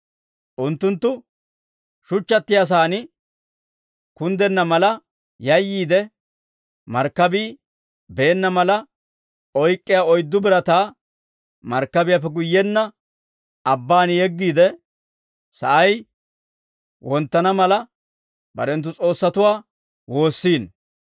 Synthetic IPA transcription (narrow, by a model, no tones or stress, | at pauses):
ʔʊnt̪ːʊnt̪ːʊ | ʃʊt͡ʃːɐt̪ːɪjas̬aːnɪ | kʊnd̪ɛnːɐmɐlɐ | jɐjːiːd̪ɛ | mɐɾkːɐbiː | be̞ːnːɐmɐlɐ | ɔjkʼːɪjaɔjd̪ːʊbɪɾɐt̪aː | mɐɾkːɐbɪjapːɛɡʊjːɛnːɐ | ɐbːaːnjɛɡːiːd̪ɛ | sɐʔɐj | wɔnt̪ːɐnɐmɐlɐ | bɐ̰ɾɛnt̪ːʊt͡sʼo̞ːsːɐt̪ʊwaː | wo̞ːsːiːn